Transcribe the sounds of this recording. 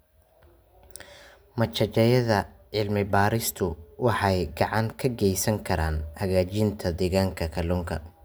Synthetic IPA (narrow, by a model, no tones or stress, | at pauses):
mɐt͡ʃɐt͡ʃɛjɐðɐʕɪlmɪbaːɾɪst̪ʰʊwɑħɑjɡɑʕɑŋkʰɐɡɛjsɐŋkʰɐɾaːnhɐɣaːt͡ʃɪnt̪ʰɐd̪ɛːɣaːŋkʰɐkʰɐlɔːŋkʰɐ̰